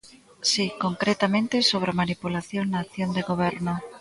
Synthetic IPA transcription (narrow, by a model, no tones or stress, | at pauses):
sikoŋkɾet̪amẽnt̪ɪsoβ̞ɾamanipulaθjoŋnaːkθjond̪eɣoβ̞ɛɾno